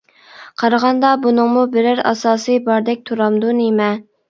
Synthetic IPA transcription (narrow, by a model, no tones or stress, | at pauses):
qʰɑɾɑʁɑnd̪ɑbunɨŋmubɪɾɪɾɑ̰sɑːsɨjbɑɾd̪ɛk̚ʲt̪ʰuɾɑmd̪unemɛ